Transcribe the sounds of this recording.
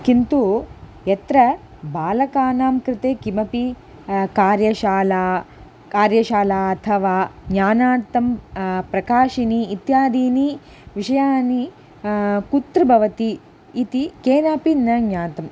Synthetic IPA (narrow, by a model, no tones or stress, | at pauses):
kint̪u | jɐt̪ɾɐ | baːlɐkaːnaːmkɾɪt̪eːkimɐpi | kaːɾjɐʃaːlaː | kaːɾjɐʃaːlaːɐt̪ʰɐʋaːɡɲaːnaːɾt̪ɐmpɾɐkaːʃiniːt̪jaːd̪iːni | ʋiʂɐjaːni | kut̪ɾɐbʱɐʋɐt̪iː | t̪ikeːnaːpinɐɡɲaːt̪ɐm